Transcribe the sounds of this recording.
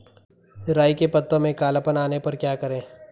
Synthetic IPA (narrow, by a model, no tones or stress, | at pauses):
ɾaːikepɐt̪ːõmẽkaːləpənaːnepɐɾkjaːkɐɾẽː